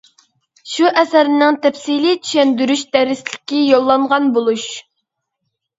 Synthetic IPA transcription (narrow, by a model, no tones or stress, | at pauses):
ʃuʔɛsæɾɪnɪŋt̪ʰɛpsilit̪ʰy̥ʃɛnd̪yɾyʃd̪ɛɾɪslɪkʲːijolˠːɑɴʁɑnbolˠuʃ